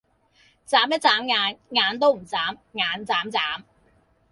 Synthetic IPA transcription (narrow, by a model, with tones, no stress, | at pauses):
t͡saː˨˥mjɐ˥t̚t͡saː˨˥mŋaː˨˧nŋaː˨˧nt̪o˥wm̩˨˩t͡saː˨˥mŋaː˨˧nt͡saː˨˥mt͡saː˨˥m